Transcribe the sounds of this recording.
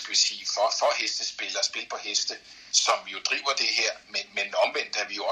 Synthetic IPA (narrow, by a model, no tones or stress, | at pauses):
ɡ̥əʋesiːfɒfɒhesd̥əsb̥e̝ləɒsb̥e̝lpʰɒ̽hesd̥ə | sɒ̽mjo̝d̥ʁḭːʊɐd̥e̝ɦeɐ̰menmenɒ̽mʋen̰d̥əæʋijoɒ